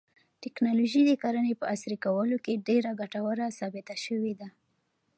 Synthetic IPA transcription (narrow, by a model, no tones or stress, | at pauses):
ʈɪknɑloʒid̪əkaɾənepəasɾikawəlokeɖeɾaɡaʈawəɾasɑbɪt̪aʃəwed̪a